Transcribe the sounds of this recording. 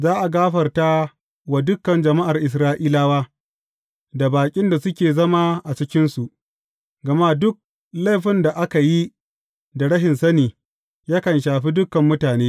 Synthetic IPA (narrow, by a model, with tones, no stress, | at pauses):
zaː˦ʔa˨ɡaː˦ɸɐ˨rta˦ | wa˨dʊ˦kːɐ˨nd͡ʒɐ˨ma˦ʔa˨rʔɪ˨s̬ɾaː˦ʔiː˦laː˦waː˦ | da˨baː˨kʲʼɪ˦nda˨sʊ˦kʲeː˨zɐ˦ma˦ʔa˨t͡ʃɪ˦kʲɪ˦nsu˨ʔ | ɡɐ˨ma˦dʊ˦k̚ | la˦˨ɸɪ˦nda˨ʔa˦ka˨ji˦ | da˨ɽɐ˦ɦɪ˨nsɐ˦niː˨ | jaː˦kɐ˨nʃaː˨ɸiː˦dʊ˦kɐ˨mːʊ˦taː˨neː˦